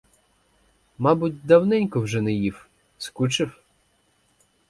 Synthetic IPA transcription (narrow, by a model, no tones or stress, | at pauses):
mɑbʊtʲd̪ɐwnɛnʲkɔwʒɛnɛjiw | skut͡ʃɪw